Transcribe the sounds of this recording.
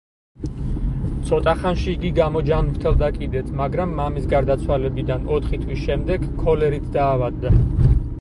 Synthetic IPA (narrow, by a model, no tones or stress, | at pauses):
t̪sʰɔt̪ʼaχanʃiːɡiɡamɔd͡ʒanɾt̪ʰɛlˠd̪akʼid̪ɛt̪ʰmaɡɾamːamisɡaɾd̪at̪sʰwalɛbid̪anɔt̪ʰχit̪ʰwisʃɛmd̪ɛɡkʰːɔlɛɾit̪ʰd̪aːvad̪ːa